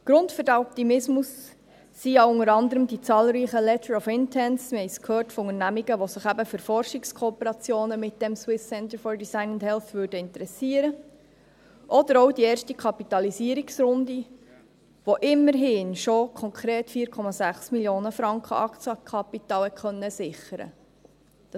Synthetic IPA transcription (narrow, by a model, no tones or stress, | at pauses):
ɡ̥ɾʊndfʏɾdæɔp̚t̪imɪsmusː | iɑʊʊŋəɾɑnd̪əɾəmdit͡sɑːlˠɾiːχəlɛt̪əɹɔfɪntʰɛnsmɛɪskʰhøːrtfɔʊŋəɾnæmiɡəʋosɪχæbəfʏɾfɔrʃɪkskʰɔːpəɾɑt͡sjoːnəmɪt̚d̥ɛmswɪsːɛnt̪əɾfɔɹdisaɪnʊndhɛlθvʏːrdəɪnt̪əɾɛsiəɾə | ʔɔd̪əɾowdiɛːrʃtikʰɑpit̪ɑlisiːəɾiksɾʊnd̪i | ʋoʔɪmːəɾɦɪːnʃokʰɔŋkʰɾeːtfiːəɾkʰɔmɑzæχsmiljoːnəfɾɑŋkχə̰ɑkt͡sɑkʰɑpit̪ɑːlɛkʰχœnːəsɪχəɾə̰̥